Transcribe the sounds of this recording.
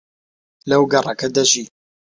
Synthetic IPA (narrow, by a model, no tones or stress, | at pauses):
lɐwɡɐrˤɑkɐd̪ɐʒiː